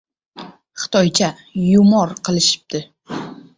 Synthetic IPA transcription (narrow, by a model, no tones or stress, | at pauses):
χɨ̥t̪ʰɒjt͡ʃʰa | jʊmɒɾqʰɨlˠɪʃɪ̥p̚td̪̥ɪ